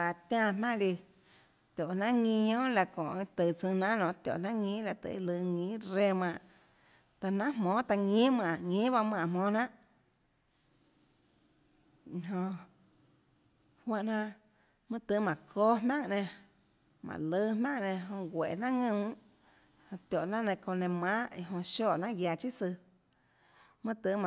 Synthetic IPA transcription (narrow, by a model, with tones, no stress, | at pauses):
a˨t̪ʲã˦˧mã˦ʔli˧ | t̪ʲjo˨nã˦ʔŋĩ˧ɲõː˦la˧kõ˨ʔt̪ɨ˨t͡sɨ̃˧nã˦nõ˧˨t̪jo̰˨ʔnã˦ŋĩ˦la˧t̪ɨ̰˧˨˧lɨ˧ŋĩ˨˦ɾe˧mã˧˨ʔ | t̪a˧nã˦mmɔ̃ː˨˦t̪a˧ŋĩ˦mã˧˨ʔŋĩː˦ba˧m˧ã˧˨mɔ̃ː˨˦nã˦ʔ | i˧ɦõ˧ | hwã˧˨ʔnã˦˧ʔ | mɨ̃˦t̪ɨ˧˦mã˨kʰo˦ɦmã˦˨ŋnẽ˧ | mã̰˨lɨ˦hmã˦ŋnẽ˧ɦõ˧ɡʷe˨nã˦ŋɨ̃˧˨ | hõ˧t̪jo˨ʔnã˦ʔnẽ˧˨kõ˧nẽ˧mã˦ʔi˧ɦõ˧ʃo˦˨nã˦ɡja˧t͡ʃi˦sɨ˧ | mɨ̃˦t̪ɨ˧˦ma˨